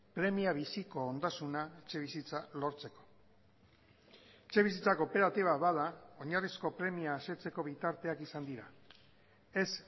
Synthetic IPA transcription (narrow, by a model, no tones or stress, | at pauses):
pɾe̞miaβ̞isiko̞ːnd̪asunaet͡ʃe̞β̞isit͡salo̞ɾt͡se̞ko̞̥ | et͡ʃe̞β̞is̬it͡sako̞pe̞ɾat̪iβaβaðao̞ɲarisko̞pɾe̞miaːse̞t͡se̞ko̞βit̪aɾt̪e̞akisand̪iɾa | e̞s